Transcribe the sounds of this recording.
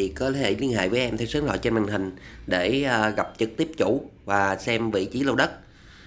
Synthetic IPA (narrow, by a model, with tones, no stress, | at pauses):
i˨˩kəː˨˧˦hḛ˧˨li˧ənha̰ː˧˨jvəː˨˦jʔɛ˧mt̪ʰe˧˦səː˨˦ŋlɔ̰˧˨jt͡ɕe˧nma˨˩ŋ̟hï˨˩ŋ̟ɗe˧˩˧ɣa˨˩p̚t͡ɕɨ˦˥k̚t̪i˦˥əp̚t͡ɕu˧˩vaː˨˩sɛ˧mvḭ˧˨t͡ɕi˨˦lə˧wɗə˦˥t̚